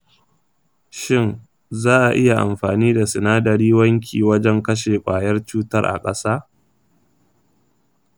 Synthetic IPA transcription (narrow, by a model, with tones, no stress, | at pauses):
ʃɪ˦n | zaː˦ʔa˨ʔɪ˦ja˨ʔa̰˨mɸaː˨niː˦da˨sɪ˨naː˦dɐ˨ɾiː˦wɐ˦ŋkʲʰḭː˨wɐ˦d͡ʒɛ˦ŋkɐ˦ʃ̬eː˨kʷʼaː˨jɐ˦rt͡ʃuː˦tɐ̰˦rʔa̰˨kʼɐ˦saː˦